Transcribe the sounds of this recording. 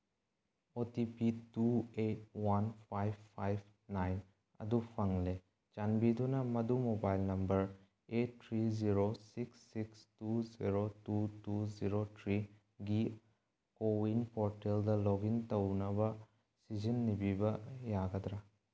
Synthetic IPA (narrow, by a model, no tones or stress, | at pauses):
otipituet̚wanpʰajb̚pʰajb | najn | ɐ̰dupʰɐŋle | d͡ʒanbidunɐmɐdumobajlnɐmbɐɾ | etʰːɾiziɾosiksːikstuziɾotutuziɾotʰɾi | ɡi | kowinpʰoɾteldɐloɡintɐwnɐbɐ | sid͡ʒinːibibɐjaɡɐdɾa